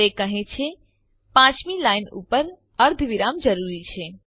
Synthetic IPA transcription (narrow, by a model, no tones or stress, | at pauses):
ekəɦẽt͡ʃʰe | pãt͡ʃmilainṵpəɾ | əɾd̪ʱʋiɾamd͡ʒəɾuɾit͡ʃʰe